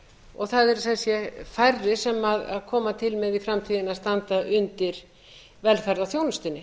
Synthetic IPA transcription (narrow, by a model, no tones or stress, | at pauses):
ɔɣθaðɛɾθɛsjɛfajrːɪsɛmaða̰ðkʰɔːmat̪ʰɪlmɛðifɾamt̪ʰiːðɪnast̪ant̪aʔʏnt̪ɪɾ̥ | vɛlfaɾðaθjownʏst̪ɪnːɪ